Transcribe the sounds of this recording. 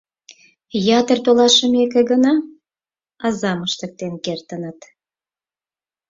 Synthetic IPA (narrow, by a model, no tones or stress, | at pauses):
jɑt̪ərt̪olɑʃəmekeɡənɑ | ɑzɑməʃt̪ək̚t̪enkert̪ənət̪